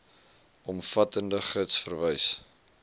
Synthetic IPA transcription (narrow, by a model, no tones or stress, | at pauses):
ʔɔmfɐtəndəχətsfərvəjs